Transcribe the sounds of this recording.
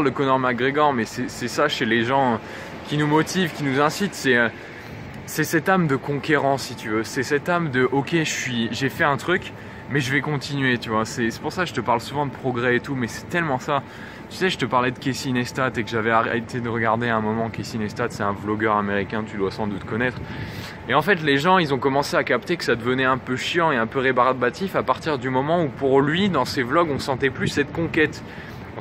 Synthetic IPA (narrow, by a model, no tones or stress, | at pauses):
ld̪əkɔnɔʁmaɡʁeɡɔʁmɛsɛsɛsaʃeleʒɑ̃ | kʲinumɔt̪ivkʲinuzɛ̃sit̪sɛø | sɛsɛt̪amd̪əkɔ̃kʲeʁɑ̃sːit̪yvøsɛsɛt̪amd̪əʔɔkʲeʒəsɥiʒefɛɛ̃t̪χyk | mɛʒəvɛkɔ̃t̪inɥet̪yvwasɛsɛ̥puʁsakʒət̪əpaʁlsuvɑ̃d̪əpχɔɡʁɛet̪umɛsɛ̥t̪ɛlmɑ̃sa | t̪y̥sɛʒət̪əpaʁlɛd̪əkʲesinɛst̪at̪ekəʒavɛaʁet̪ed̪əʁəɡaʁd̪eɛ̃mɔmɑ̃kʲesinɛst̪at̪sɛt̪ɛ̃vlɔɡœʁameʁikʲɛ̃t̪yd̪wasɑ̃d̪ut̪kɔnɛt̪χ | eɑ̃fɛt̪leʒɑ̃ilzɔ̃kɔmɑ̃seakapt̪ekə̥sad̪əvənɛɛ̃pøʃjɑ̃eɛ̃pøʁebaʁbat̪ifapaʁt̪iʁd̪ymɔmɑ̃upuʁlɥid̪ɑ̃seblɔɡɔ̃sɑ̃t̪ɛplysːɛt̪kɔ̃kʲɛt̪ | ɔ̃